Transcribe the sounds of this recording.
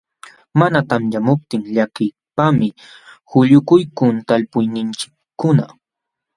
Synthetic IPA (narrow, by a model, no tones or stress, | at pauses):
manat̪amjamʊp̚t̪ɪŋʎakɪ | pamɪ | hʊʎʊkʊjkʊnt̪alpʊjnɪnt͡ʃɪ̥kːʊna̰